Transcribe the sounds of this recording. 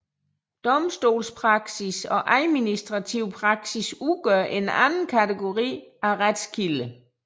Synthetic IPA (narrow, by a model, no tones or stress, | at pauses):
d̥ɒ̽msd̥o̝̰ːlspʰʁɑ̈ɡ̥sisɒ̽ʔæðˠminisd̥ʁɑ̈t͡sʰiʊ̰pʰʁɑ̈ɡ̥sisuɡ̥ɶɐʔenænn̩kʰæt͡sʰeɡ̥o̝ʁḭːæʁad̥skʰilə